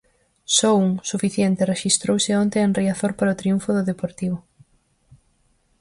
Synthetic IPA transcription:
sɔuŋsufiθjɛnt̪ɪreʃist̪ɾowsɪont̪eenriaθoɾpaɾaot̪ɾiũɱfʊðʊðepoɾt̪iβ̞ʊ

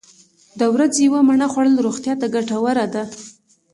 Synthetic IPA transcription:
d̪əwɾad͡zejwamaɳaxwaɽəlɾoɣt̪jɑt̪aɡaʈawəɾad̪a

